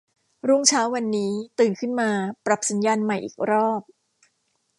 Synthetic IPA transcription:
ɾu˥˩ŋt͡ɕʰaː˦˥wːa˧nːiː˦˥t̪ɯː˨˩nkʰɯ˥˩nmaː˧pɾa˨˩p̚sa˩˦njaː˧nma˨˩jʔḭː˨˩k̚ɾɔː˥˩p̚

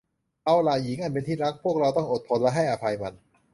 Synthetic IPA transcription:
ʔa˧wlaː˨˩ji˨˩˦ŋʔa˥˩np̬e˧nt̪ʰiː˥˩ɾa˦˥k̚pʰu˥˩ək̚ɾa˧wt̪ɔ˥˩ŋʔo˨˩t̪̚pʰo˧nlɛ˦˥ɦa˥˩jʔa˧pʰa˧jma˧n

